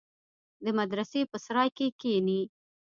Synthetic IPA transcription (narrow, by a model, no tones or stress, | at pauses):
d̪əmad̪ɾasepəsɾɑjkekeni